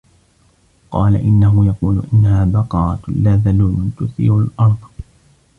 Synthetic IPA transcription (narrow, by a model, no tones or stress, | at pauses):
qɑ̰ːla̰ʔɪnːaɦʊjɑquːlʊ̰ʔɪnːahaːbɑqɑːˤɑlaːðaluːmt̪ʊθḭːɾʊlʔɑɾˤðˤ